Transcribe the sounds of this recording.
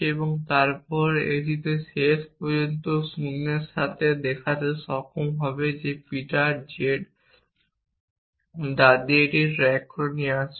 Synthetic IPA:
eboŋt̪aɾpɔɾḛd̪it̪eʃeʃpod͡ʑont̪osunːeɾʃat̪ʰed̪ɛkʰat̪eʃɔkʰomɦɔbed͡ʑepiʈaɾd͡ʑeʈ | d̪ad̪ieʈiɾɛkʰːonias

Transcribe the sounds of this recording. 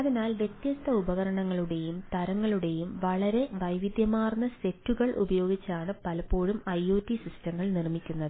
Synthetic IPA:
ɐðinaːlʋje̞t̪jɐst̪ʰːɐubɐɣɐɾɐɳɐŋːɐɭuɽe̞jumt̪ɐɾɐŋːɐɭuɽe̞jumʋɐɭɐɾe̞ʋɐjʋid̪jɐmaːrnːɐse̞tːuɣɐɭʔṵbɐjo̞ːɡit͡ɕːaːɳɨpɐlɐpːo̞ːɻumɐjoːtːisistɐŋːɐɭnirmikʲːunːɐðɨɨ

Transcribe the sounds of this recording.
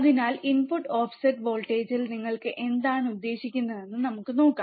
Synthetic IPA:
ɐðinaːlinpuʈːoːfsɐʈbo̞ːɭʈeːd͡ʑilniŋːɐɭkɨʔe̞nd̪aːɳud̪ːe̞ːɕikʲːunːɐðe̞nːɨnɐmukːɨno̞ːkːa

